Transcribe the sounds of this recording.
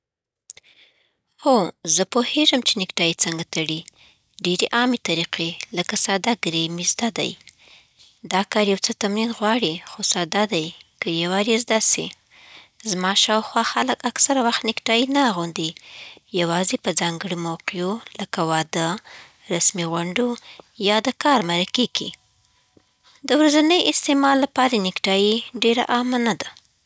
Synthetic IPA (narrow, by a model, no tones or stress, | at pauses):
hozəpoheʒəmt͡ʃenɪkʈɑjit͡səŋɡat̪aɽi | ɖeɾeʔɑmet̪aɾiqeləkasɑd̪aɡɾemizd̪ad̪a̰j | d̪ɑkɑɾjawt͡sət̪amɾinɣwɑɽixosɑd̪ad̪ajkəjawaɾezd̪asḭ | zmɑʃɑwxwɑxaləkaksaɾawaxt̪nɪkʈɑjinaːɣund̪ijawɑzepəd͡zɑŋɡəɽomawqijoləkawɑd̪ə | ɾasmiɣwaɳɖojɑd̪əkɑɾmaɾakeɡḭ | d̪əwɾazanəjɪst̪emɑlːapɑɾanɪkʈɑjiɖeɾa̰ʔamanad̪a